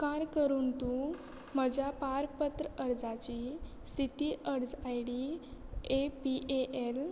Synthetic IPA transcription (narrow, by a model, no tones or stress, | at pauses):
kaɾkəɾuːnt̪u | məd͡ʑapaɾpət̪ɾəəɾd͡zat͡ɕi | st̪ʰit̪iʔəɽd͡zajɽi | epiʔeʔel